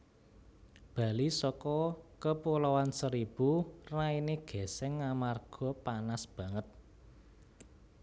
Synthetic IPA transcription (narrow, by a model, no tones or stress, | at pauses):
b̥ä̤lisɔkɔkəpolɔwansəɾib̥uraineɡ̥ɛ̤sɛŋːamarɡ̥ɔ̤panasb̥ä̤ŋət̪̚